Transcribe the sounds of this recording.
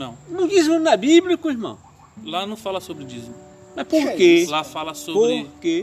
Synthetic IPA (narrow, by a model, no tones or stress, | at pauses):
nɐ̃w̃nɐ̃d͡ʒizmunɐbiblikuihmɐ̰̃w̃ | lanɐ̃w̃falɐsobɾɪd͡ʒizmu | mɐspoɾkelafalɐsopobɾɪɾke